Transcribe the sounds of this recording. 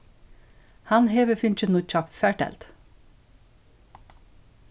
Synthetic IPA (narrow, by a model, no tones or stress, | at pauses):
hɑnheːʋəfʏnt͡ʃənuːc͡çɑpfæːʈɛ̰lt̪